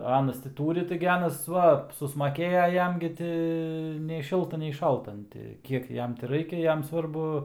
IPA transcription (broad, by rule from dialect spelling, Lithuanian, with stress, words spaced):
ˈɑːnɐs tʲɪ ˈtuːrʲɪ ˈtɐɪɡʲɪ ˈɑːnɐs ˈʋɐ sʊsmɐˈkʲeːjɛ ˈjɛm ɡʲɪ ˈtʲɪ nʲɛɪ ˈʃʲɪlˠtɐ nʲɛɪ ˈʃɐlˠtɐ ɐn ˈtʲɪ ˈkʲiɛk ˈjɛm tʲɪ ˈrɐɪkʲɛ ˈjɛm ˈsʋɐrbʊ